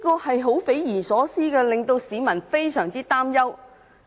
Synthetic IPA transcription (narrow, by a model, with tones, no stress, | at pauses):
kɔː˧hɐ˨jɦo˨˥wfe˨˥jjiː˨˩nsɔː˨˥siː˥kɛː˧lɪ˨ŋt̪o˧wsiː˨˧mɐ˨˩nfe˥jsœː˨˩ŋt͡siː˥t̪aː˥mjɐ˥w